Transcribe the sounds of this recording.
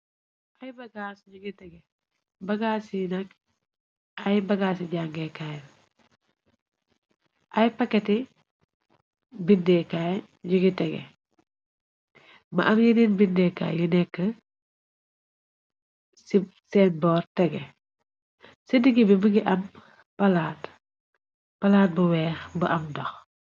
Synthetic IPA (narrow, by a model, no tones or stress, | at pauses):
ajbɐɡaːsɟuɡitɛɡɛ | bɐɡaːsinɐk̚ | ɐjbɐɡas̬iɟaŋɡekaj | ʔɐjpɐkːɐti | bindɛkaj | ɟuɡitɛɡɛ̰ | mɐ̰ʔɐmjɐniːnbindɛka̰ːjjunɛkːə | sisɛːnbɔːrtɛɡɛ | sədiɡibibuɡiʔɐm | pɐlaːt | pɐlaːt̚buwɛːxbəʔɐmdɔx